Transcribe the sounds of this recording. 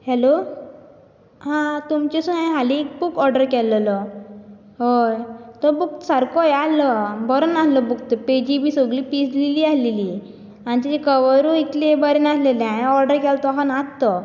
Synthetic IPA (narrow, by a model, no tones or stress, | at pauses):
hɛlo | hãt̪umt͡ɕesuãj̃ɦaliːk̚bukɔɾɖəɾkɛllɔ | ɦojt̪ɔbuk̚t̪saɾkɔjalɔbɔɾənaɦlɔbuk̚t̪ped͡ʑibiːsoɡlipisliliasleli | anit̪it͡ɕekəʋəɾuit̪lebəɾenasleleãɔɾɖəɾkɛlt̪ɔɦanat̪ːɔ